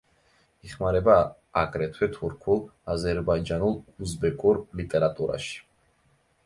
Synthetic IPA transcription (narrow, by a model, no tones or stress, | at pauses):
iχmaɾɛbaː | ɡʼɾɛt̪ʰwɛt̪ʰuɾkʰulˠazɛɾbaid͡ʒanulˠuzbɛkʼuɾlit̪ʼɛɾat̪ʼuɾa̰ʃi̥